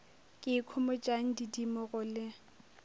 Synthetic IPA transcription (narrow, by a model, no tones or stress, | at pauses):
kʼɪkʰʊmʊt͡ʃʼaŋ̩didimɔɣʊlɪ